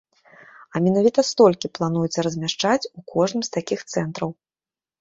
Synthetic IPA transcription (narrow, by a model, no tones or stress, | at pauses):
ɐmʲɛnavʲit̪ɐst̪ɔlʲkʲiplˠan̪ujut̪sʲɐɾɐzʲmʲaʂt͡ʂat͡sʲukʰɔʐnɨmst̪akʲixt̪sɛn̪t̪ɾɐw